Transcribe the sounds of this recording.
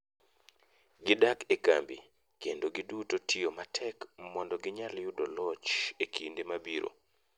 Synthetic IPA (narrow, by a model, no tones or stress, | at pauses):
ɡɪdakeka̰mbḭ | kendoɡidutotʰiomatʰɛkmɔndɔɡɪɲaljudolɔt͡ʃekʰindemabiɾo̰